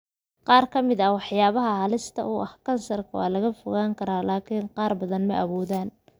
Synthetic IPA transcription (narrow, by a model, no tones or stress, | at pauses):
qɑːrkʰɐmɪðɐwɑħjaːβɐɦɐhɐlɪst̪ʰɐ̰ʔuːʔɐhkʰɐnsɐrkʰɐwɑ̰ːlɐɣɐfʊɣaːŋkʰɐɾaːlaːkʰiːnqɑːrbɐðɐnmɐʔɐβɔːðaːn